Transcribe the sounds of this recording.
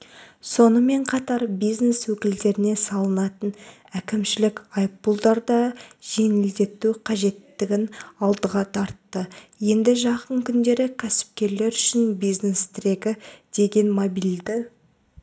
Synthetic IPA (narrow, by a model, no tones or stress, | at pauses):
so̞nəme̞ɴqʰɑt̪ɑɾbijzne̞swɵkʲɪld̪e̞ɾɪne̞sɑlˠənɑt̪ən | ækʲɪmʃɪlɪkʲɑjpbulˠd̪ɑɾd̪ɑʒ̥e̞ŋɪld̪e̞t̪ːuqʰɑʒe̞t̪ːɪɡʲɪnɑlˠd̪əʁɑt̪ʰɑɾt̪ːəje̞nd̪ɪʒɑqəɴkʲʰʏnd̪e̞ɾɪkʲʰæsɪ̥p̚kʲe̞ɾle̞ɾʏʃɪnbijzne̞st̪ʰɪɾe̞ɡʲɪd̪̥e̞ɡʲe̞nmobild̪ɪ